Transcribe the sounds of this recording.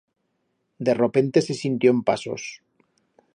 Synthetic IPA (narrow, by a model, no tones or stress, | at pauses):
d̪e̞rope̞nt̪e̞se̞sint̪joempa̰so̞̰s